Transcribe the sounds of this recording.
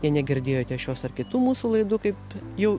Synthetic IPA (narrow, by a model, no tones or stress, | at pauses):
jɛnʲɛɡʲɪɾʲd̪ʲeːjoːt̪ʲɛʃʲoːsɐrkʲɪt̪uːmuːsuːlˠɐɪd̪uːkɐɪpjɛʊ